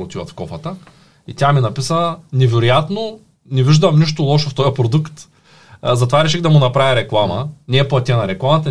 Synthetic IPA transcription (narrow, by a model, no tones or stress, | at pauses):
ot̪ivɐt̪fkɔfət̪ə | it̪ʲaminɐpisənɛvɛɾojat̪no | nɛviʒd̪ɐmniʃ̬t̪olˠɔʃoft̪ɔjɐpɾod̪ukt̪ | zɐt̪ovaɾɛʃɛɣd̪ɐmʊnɐpɾavʲiɾɛklˠamɐnɛːplˠɐt̪ʲiənɐɾɛklˠamɐt̪ɐ